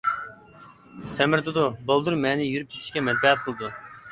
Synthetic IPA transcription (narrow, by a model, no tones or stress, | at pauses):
sɛmɪɾt̪ʰɨd̪ʊbolˠd̪uɾmɛnɪjyɾyp̚kʲʰi̥t͡ʃʰʲi̥ʃkʲɛmɛt̪̚bɛɦɛt̪̚qʰəlˠɨd̪u